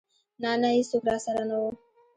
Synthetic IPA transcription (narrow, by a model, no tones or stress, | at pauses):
nanaisukɾasaɾanoo